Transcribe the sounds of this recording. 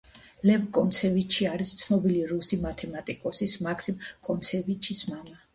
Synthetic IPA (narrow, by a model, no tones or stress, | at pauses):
lɛvkʼɔnt̪sʰɛvit͡ʃʰiaɾist̪sʰnɔbiliɾusimat̪ʰɛmat̪ʼikʼɔsismakʰsimkʼɔnt̪sʰɛvit͡ʃʰismama